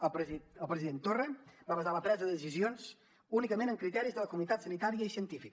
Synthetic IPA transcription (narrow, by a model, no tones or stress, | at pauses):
əpəlˠpɾəziðent̪orəbaβəzaləpɾɛzəðəðəsizionz | unikəmenəŋkɾit̪ɛɾizðələkumunit̪at̪sənit̪aɾiəisiənt̪ifik